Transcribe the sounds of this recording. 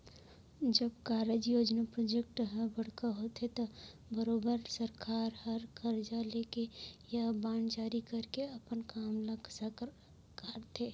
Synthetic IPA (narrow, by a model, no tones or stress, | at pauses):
d͡ʒəbkaːɾəd͡ʒjoːd͡ʒnapɾoːd͡ʒek̚ʈɦəbəɽ̤kaɦot̪et̪o | bəɾoːbəɾsəɾkaːɾhəɾkəɾd͡ʒalekejabãːnd͡ʒaːɾikəɾkeɐpənkaːmləɡsa | kaɾt̪ʰe